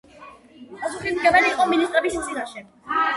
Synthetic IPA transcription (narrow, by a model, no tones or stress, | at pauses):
pʼasuχismɡɛvaɾiːqʼɔminist̪ʼɾɛbismzinaʃɛ